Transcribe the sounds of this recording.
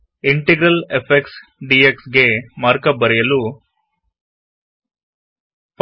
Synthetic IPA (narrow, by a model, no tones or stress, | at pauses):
iɳʈeɡɾɐlepʰeksɖieksɡe̞maːɾkɐbɐɾɛjɐlu | p